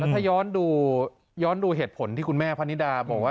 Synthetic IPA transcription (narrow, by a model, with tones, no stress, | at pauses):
lɛ˦˥t̪a˥˩jɔː˦˥nduː˧ | jɔː˦˥nduː˧ɦeː˨˩t̪̚pʰo˩˦nt̪ʰiː˥˩kʰu˧nmɛː˥˩pʰa˦˥ni˦˥daː˧bɔː˨˩k̚waː˥˩